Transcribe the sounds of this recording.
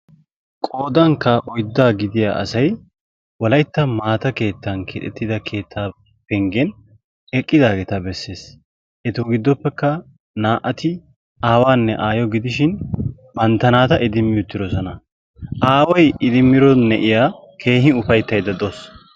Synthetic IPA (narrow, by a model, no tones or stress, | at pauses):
kʼoːd̪ɐŋkːɐʔɔjd̪ːaːɡɪd̪ɪja̰ːʔɐ̰sɐj | wɔlɐjt̪ːɐmaːt̪ɐke̞ːt̪ːɐnkʰɛ̰t̪ʼːɛt̪ːɪd̪ɐkʰe̞ːt̪ʰːaː | pɛŋɡɛn | ɛkʼːɪd̪aːɡɛt̪ɐbɛsːe̞ːs | ʔɛt̪ʊɡɪd̪ːɔpːɛkːɐ | naːʔɐt̪ɪ | aːwaːnːɛʔaːjɔɡɪd̪ɪʃɪn | bɐnt̪ːɐnaːt̪ɐʔɪd̪ɪmːɪjʊt̪ːɪɾɔsɔnɐ | ʔaːwɔjɪd̪ɪmːɪɾɔnɛʔɪjaː | kʰe̞ːhɪʊfɐjt̪ːɐjd̪ɐd̪os